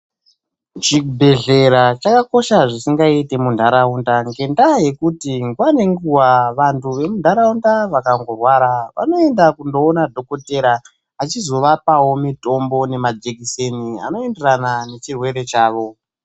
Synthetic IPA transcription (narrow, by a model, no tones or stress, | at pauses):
t͡ʃibʱe̞ɮe̞ɾat͡ʃakako̞ʃaʐisiŋɡaite̞mundʱaɾaundaŋɡe̞ndaje̞kutiŋɡwane̞ŋɡuwaʋantʰuʋe̞mundʱaɾaundaʋakaŋɡorwaɾaʋa̰no̞e̞ndakundo̞ːnadʱo̞ko̞te̞ɾa | at͡ʃizo̞ʋapawo̞mito̞mbo̞ne̞mad͡ʒekise̞nia̰no̞e̞nderanane̞t͡ʃirwe̞ɾe̞t͡ʃaːʋo̞